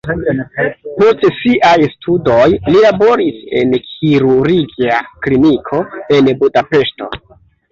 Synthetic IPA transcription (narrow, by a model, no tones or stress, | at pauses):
po̞stsiʔajstʰudo̞jlilabo̞ɾise̞̰nkʰiɾuɾiɡaklinikʰo̞e̞nbudape̞ʃto̞̰